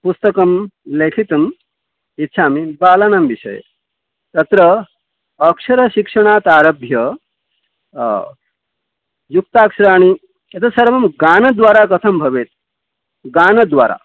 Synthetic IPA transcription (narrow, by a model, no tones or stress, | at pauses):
pust̪əkɐmlekʰit̪ɐm | it̪ːɕʰamibaːlanamʋisɐ̰j̰ | t̪ɐt̪ɾəː | kʂɐɾəɕikʂəɳ̃aːt̪aːɾəbʱjə | juk̚t̪aːkʂɾaːɽ̃i | jet̪ʰəsɐɾʋɐmɡaːnɐd̪ʋaːɾakɐt̪ʰɐmbʱɐʋeːt̪̚ | ɡaːnɐd̪ʋa̰ːɾa̰